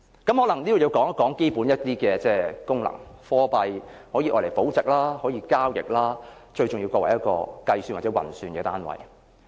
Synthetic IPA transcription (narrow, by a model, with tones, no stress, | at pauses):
kɐ˨˥mhɔ˨˧˥lɐ˨˩ŋniː˥o˨˧ji˧wkɔː˨˥ŋ˥kːɔː˨˥ŋke˥jpuː˨˥njɐ˥t̚t̪iː˥kɛː˧t͡sɛː˥kʊ˥ŋlɐ̰˨˩ŋfɔː˥pɐ˧jhɔː˨˥jiː˧ʔɔ̰ː˧jle˨˩jpo˨˥wt͡sɪ˨k̚laː˥hɔː˨˥jiː˧kaː˥wjɪ̰˨k̚laː˥ | t͡ʃɵ˧ɥt͡ʃʊ˨˩ŋjiː˧wkʷɔː˧wɐ˨˩jɐ˥kɔ̰ː˧kɐ˧jsyː˧nwaː˨˩t͡sɛ˨˥wɐ̰˨˩nsyː˨˧nkɛː˧t̪aː˥nwɐ̰˨˩j